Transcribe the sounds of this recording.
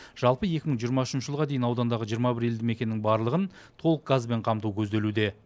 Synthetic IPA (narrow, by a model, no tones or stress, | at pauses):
ʒ̥ɑlˠpəje̞kʲɪməŋʒijəɾmɑʏʃɪnʃəʒəlˠʁɑd̪e̞jɪnɑwd̪ɑnd̪ɑʁəʒijəɾmɑbɪɾeld̪ɪme̞kʲe̞nːɪŋbɑɾlˠəʁənt̪ʰo̞lˠəq̚ɡ̥azbe̞ɴqʰɑmt̪ukʲʰɵzd̪e̞lud̪e̞